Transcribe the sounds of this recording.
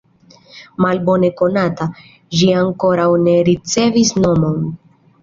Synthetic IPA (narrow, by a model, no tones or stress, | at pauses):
malbo̞ne̞ko̞nata | ʒiaŋko̞ɾawne̞ɾit͡se̞visno̞mo̞n